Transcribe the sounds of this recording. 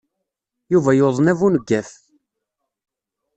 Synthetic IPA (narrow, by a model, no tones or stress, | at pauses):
juvæjoðˤənævunəɡːæθ